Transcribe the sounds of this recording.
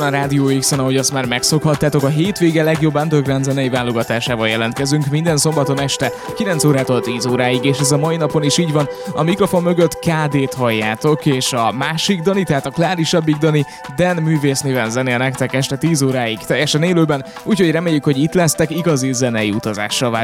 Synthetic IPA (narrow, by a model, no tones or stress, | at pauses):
nɾaːd̪ijoːiksɛnɒɦo̞ɟɒst̪maːrmɛkso̞khɒt̪ːaːt̪o̞kɒɦeːt̪ʋeːɡɛlɛɡjo̞bːɛnt̪øɡranzɛnɛjivaːlo̞ɡɒt̪aːʃaːvɒljɛlɛnt̪kɛzyŋkmind̪ɛnso̞mbɒt̪o̞nɛʃt̪ɛ | kilɛnt̪soːɾaːt̪olt̪iːzoːɾaːjiɡeːʃɛzɒmɒinɒpo̞niʃiːɟʋɒnɒmikro̞fo̞mːø̞ɡøt̪kaːd̪eːt̪hɒjːaːt̪o̞keːʃɒmaːʃiɡ̚d̪ɒnit̪ɛɦaːt̪ɒklaːɾiʃɒbːiɡ̚d̪ɒni | d̪ɛnmyːveːsneːvɛnzɛnenɛkt̪ɛkɛʃt̪ɛt̪iːzoːɾaːiɡ̥t̪ɛjːɛʃɛneːløːbɛn | uːcho̞ɟrɛmeːjːykho̞ɟit̪lɛst̪ɛkiɡɒzizɛnɛjiut̪ɒza̰ːʃːɒlvaː